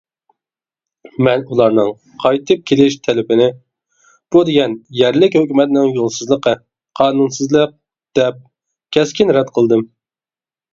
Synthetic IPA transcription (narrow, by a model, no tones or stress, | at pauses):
mɛnulˠɑɾnɨŋ | qʰɑjt̪ʰɨp̚kʲʰelɪʃt̪ʰɛlɪbɪnɪ | b̥ud̪eɡʲɛnjɛɾlɪkʲhøkʲymɛt̪nɪŋjolˠsɨzlˠəqʰə | qʰɑːnunsɨzlˠəq̚ | d̪̥ɛp̚ | kʲʰɛskʲinɾɛd̪qʰəlˠd̪ɨm